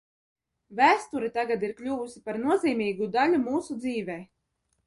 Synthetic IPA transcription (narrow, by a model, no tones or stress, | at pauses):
væːst̪uɾit̪aɡad̪iɾklʲuːvusi̥paɾnuɔziːmʲiːɡud̪alʲumuːsud̪ziːvʲɛj